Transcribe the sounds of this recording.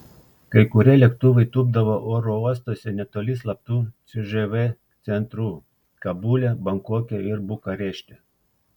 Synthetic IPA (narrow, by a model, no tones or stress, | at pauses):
kɐjkʊɾʲɛlʲɛkt̪uʋejt̪ub̚d̪ɐʋɐʔɔɾɔɔs̬t̪ɔsʲɛnʲɛt̪ɔlʲislˠɐp̚t̪ut̪sʲʊʒɛʋɛ | t̪sʲɛnt̪ɾu | kɐbulʲɛbɐŋkɔkʲɛɪɾbukɐɾʲɛʃʲt̪ʲɛ